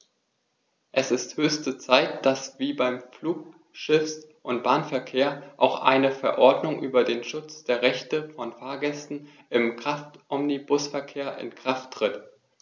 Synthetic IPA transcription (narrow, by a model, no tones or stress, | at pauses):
ʔɛsɪsthøːçstət͡saɪtd̥asv̥iːbaɪmfluːk | ʃɪfsʔʊntb̥aːnfɛɐkʰeːɐʔaʊxʔa̰ɪnəfɛɐʔɔɐdnʊŋʔyːbɐdeːnʃʊt͡sd̥eːɐʁɛçtəfɔnfaːɐɡɛstn̩ | ɪmkʁ̥aftʔɔmnibʊsfɛɐkʰeːɐʔɪ̰nkʁ̥aftːʁ̥ɪt